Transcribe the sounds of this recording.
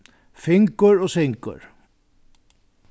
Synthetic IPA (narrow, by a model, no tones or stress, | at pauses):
fɪŋkəɹɔːsɪŋkə̰ɹ